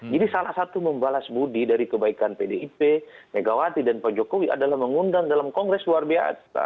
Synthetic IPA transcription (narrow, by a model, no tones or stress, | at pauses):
d͡ʒadisalahsat̪uməmbalasbudidaɾikəbaikanpedeipemeɡawat̪idanpad͡ʒokowiʔa̰dalahməŋundaŋdalamkɔŋɡɾɛsluarbia̰sa̰